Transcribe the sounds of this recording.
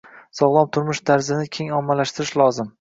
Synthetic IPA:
sɒʁlˠɒmt̪ʰʊɾmʊʃt̪ʰaɾzɪnɪkʲʰe̞ŋɒmːalaʃt̪ɪɾɪʃlˠɒzɪm

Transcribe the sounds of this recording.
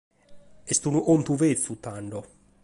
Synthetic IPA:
est̪unuʔomt̪uvet̪sut̪ːaɳɖo

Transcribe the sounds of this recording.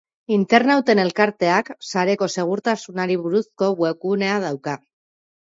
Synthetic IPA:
int̪e̞ɾnawt̪e̞ne̞lkaɾt̪e̞aksaɾe̞ko̞se̞ɣ̞uɾt̪asunaɾiβuɾusko̞βwe̞kune̞að̞awka

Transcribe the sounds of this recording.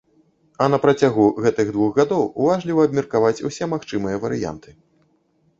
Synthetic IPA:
ɐn̪ɐpɾat͡sʲaɣuɣɛt̪ɨɣd̪vuɣɣad̪ɔwuvaʐlʲivɐːb̚mʲirkavat͡sʲṵsʲɛmaxt͡ʂɨmɨjɐvɐɾɨja̰nt̪ʰɨ̥

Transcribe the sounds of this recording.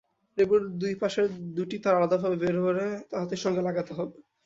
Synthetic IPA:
ɾebuɾd̪ujpaʃeɾd̪uʈit̪aɾalad̪abʱabebeɾɦoɾet̪aɦat̪eʃɔŋɡelaɡat̪eɦɔbe

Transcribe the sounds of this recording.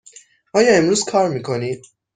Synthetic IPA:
ʔɒːjɒːe̞mɾuːzkʰɒːɾmiːkʰo̞nid̪̥̚

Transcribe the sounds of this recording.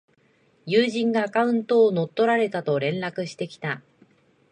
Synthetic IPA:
jɯːʑĩŋɡaːkaɯ̟̃nt̪o̞ːno̞t̪ːo̞ɾaɾe̞t̪at̪o̞ɾẽ̞nɾakɯ̟ɕi̥t̪e̞kʲi̥t̪a

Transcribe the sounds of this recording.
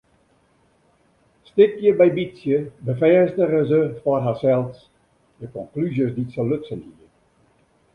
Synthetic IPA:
stɪkjəbɛjbisjəbəfɛːstəɣəzəfɔrɦaːsɛlˠs | dəkɔŋklyzjəsditsəløtsənhiər

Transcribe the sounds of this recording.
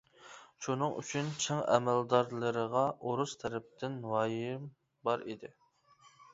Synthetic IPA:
ʃunɨŋy̰t͡ʃʰynt͡ʃʰeŋɛ̰mæld̪ɑɾlˠəɾəʁɑoɾust̪ʰɛɾɛp̚t̪ɪnwɑjɪm | bɑɾid̪ɪ

